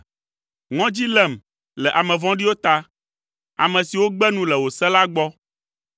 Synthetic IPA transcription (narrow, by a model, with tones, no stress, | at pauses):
ŋɔ̃˦d͡ʑi˦lɛ˦˨m | lɛ˨ʔa˨mɛ̃˨vɔ̃˦ɖi˦wo˦t̪a˦ | a̰˨mɛ̃˨si˨wo˦ɡ͡bɛ˦nũ˦lɛ˨wo˨sɛ˦la˦ɡ͡bɔ˦